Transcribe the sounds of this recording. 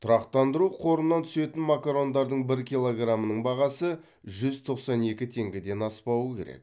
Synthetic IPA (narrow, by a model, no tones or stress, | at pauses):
t̪ʰʊɾɑqt̪ɑnd̪əɾuqʰo̞ɾənːɑnt̪ʰʏ̥se̞t̪ɪnmakaɾo̞nd̪ɑɾd̪əɴbɪɾkʲijlˠo̞ɡramənəɴbɑʁɑsə | ʒʏzt̪ʰo̞qsɑne̞kʲɪt̪ʰe̞ŋɡʲɪd̪e̞nɑspɑwəkʲʰe̞ɾḛk